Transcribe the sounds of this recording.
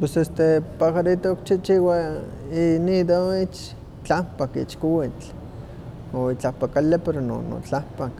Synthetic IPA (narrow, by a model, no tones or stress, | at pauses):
pwesest̪epaxaɾit̪ook̚t͡ʃit͡ʃiwa | inid̪oit͡ʃ | t͡ɬampakḭt͡ʃkowit͡ɬ | oit͡ɬapakalepeɾono̰no̰t͡ɬapak